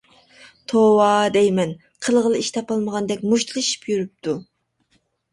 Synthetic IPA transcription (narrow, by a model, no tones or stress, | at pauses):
t̪ʰowɑd̪ɛjmɛn | qʰəlˠʁəlˠɨiʃt̪ʰɑpɑlˠməʁɑnd̪ɛkʲmuʃt̪ʰɨlˠɨʃi̥pjyɾyp̚t̪ʰu